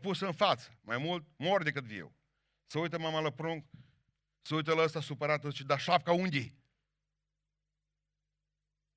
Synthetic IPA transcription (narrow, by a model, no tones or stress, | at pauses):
pusəɨnfat̪sə̥majmult̪̚moɾd̪ekɨt̪viḛw | səujt̪əmamaləpɾuŋk | səujt̪̬ələst̪asupəɾat̪ət͡ʃid̪aʃap̚kaund̪ʲi